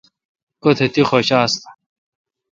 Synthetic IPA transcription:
kot̪ʰet̪ixoɕaːst̪ḁ

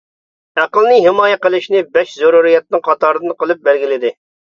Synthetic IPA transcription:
æqəlˠnɪɦɪmɑːjɛqəlˠɨʃnɪbɛʃzuɾuɾijɛt̪̚nɨŋqʰɑt̪ɑɾɨd̪ɨnqəlˠɨp̚bælɡʲilɪd̪ɪ

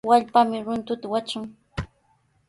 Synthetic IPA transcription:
waʎpamɪɾʊnt̪ʊt̪awat͡ʃʊŋ

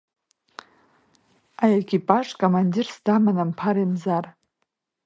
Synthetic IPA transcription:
ajekʲipʼaʂkʼomandirsdamanampʰaɾimzar

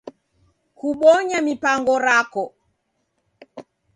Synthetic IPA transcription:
kuɓɔɲamipaŋɡɔɾakɔ

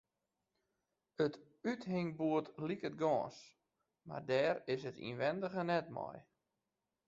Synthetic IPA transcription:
ət | ytɦɪŋbuətlikət̚ɡɔːs | ma̰rdɛːɾɪsətḭnʋɛndəɣənɛtmɔ̰j

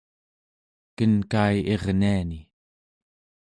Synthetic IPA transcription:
kənkajʔeʁniani

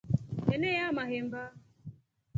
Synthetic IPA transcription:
kenejamaɣɪm̩ba

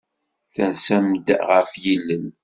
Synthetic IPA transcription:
θænsæmd̪ʁəfjilːən

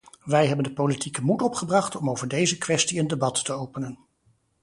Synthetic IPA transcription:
ʋɛjɦɛbəndəpolitikəmutɔpχəbrɑχtɔmowvəɹdejzəkʋɛstiəndebɑtːəowpənən

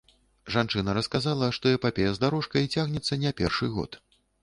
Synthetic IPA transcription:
ʐant͡ʂɨnɐɾɐskazalˠɐʂt̪ɔjɛpapʲejɐzd̪aɾɔʂkɐit͡sʲaɣnʲɛt̪sːɐnʲɛpʲɛ̰rʂɨɣɔ̰t̪

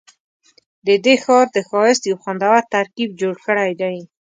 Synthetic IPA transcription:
d̪əd̪exɑɾd̪əxɑjɪst̪jawxwand̪awaɾt̪aɾkib̚d͡ʒoɽxəɽajd̪aj

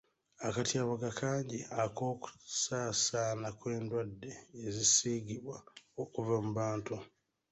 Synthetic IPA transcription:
akatiaβaɡakʰaːɲɟiako̞ːku̥saːsanakwe̞ːndwadːe̞ːzisiɡiβwaokuvamuβaːntu

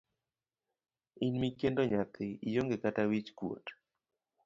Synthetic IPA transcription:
inmikendoɲat̪ɪijoŋɡekatawit͡ʃkwo̰t

